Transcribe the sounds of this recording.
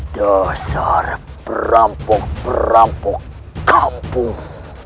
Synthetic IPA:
d̥asaɾ | pərampɔk̚pəɾampɔk | kampʊŋ

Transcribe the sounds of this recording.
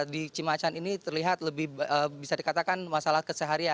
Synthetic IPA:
dit͡ʃimat͡ʃaninit̪ərliɦat̪̚ləbɪhəbisadikat̪akanmasalahkəsəɦaɾia

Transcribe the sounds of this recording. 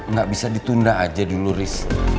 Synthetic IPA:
ŋɡaʔbisadit̪undaːd͡ʒaduluɾɪs

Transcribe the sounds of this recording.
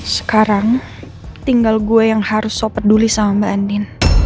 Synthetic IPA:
sə̥kaɾaŋ | t̪iŋɡalɡuɛjaŋhaɾʊsːopat̪̚dulisamabandɪn

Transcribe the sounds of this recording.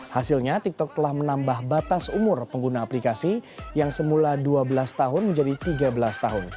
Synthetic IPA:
hasɪlɲat̪ik̚t̪ɔk̚t̪əlahmənambahbat̪asumʊrpəŋɡunaːplikasijaŋsəmuladuabəlast̪aɦʊnməɲd͡ʒadit̪iɡabəlast̪aɦʊn

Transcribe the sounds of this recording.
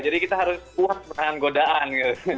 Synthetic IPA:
d͡ʒadikit̪aɦaɾʊskuat̪̚pənaanɡodaʔankət̪

